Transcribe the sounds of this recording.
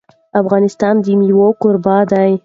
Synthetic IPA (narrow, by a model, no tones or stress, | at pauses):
afɣɑnɪst̪ɑnd̪imiwokʊɾbɑd̪aj